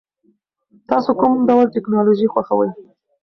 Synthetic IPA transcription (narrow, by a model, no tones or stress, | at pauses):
t̪ɑsokʊmɖawlʈɪknɑloʒixwaxawə̰j